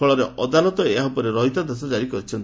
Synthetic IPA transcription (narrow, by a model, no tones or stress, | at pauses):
ɔɭɔɾeʔʔɔd̪alɔt̪ɔeɦaɦupɔɾeɾɔɦit̪ad̪es̬ɔd͡ʒaɾikɔɾit͡ʃʰɔnt̪